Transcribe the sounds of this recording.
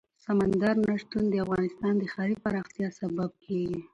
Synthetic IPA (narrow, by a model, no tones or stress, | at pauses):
samand̪aɾnaʂt̪und̪əafɣɑnɪst̪ɑnd̪əxɑɾipaɾɑxt̪jɑsabab̚kʰeɡi